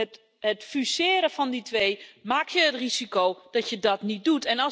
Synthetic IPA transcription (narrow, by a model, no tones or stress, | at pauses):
ət | ətfysɪːɾəfɔnditʋejmaːk̚tjəətrizikowd̥ɔtjədɔtnit̚dutɛnɔ